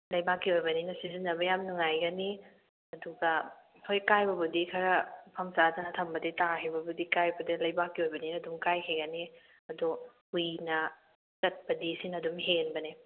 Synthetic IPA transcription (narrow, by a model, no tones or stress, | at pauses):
lɐjbakːiojbɐninɐsizinːɐbɐjamnuŋajɡɐni | ɐduɡɐ | hʰojkajbɐbudikʰaɾɐpʰɐmsazinɐtʰɐmbɐdetahijbɐbudikajbɐdelɐjbakːiojbɐninɐdumkajkʰeɡɐni | ɐdu | ujnɐ | sɐt̚bɐdisinɐdumɦenbɐni